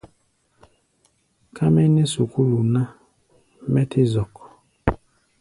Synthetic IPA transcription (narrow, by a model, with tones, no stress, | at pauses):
kʰa˦me˦ne˦su˨ku˦ɾu˨na˦ | mɛ˦tʰɪ˦zɔ˨kɔ̥˨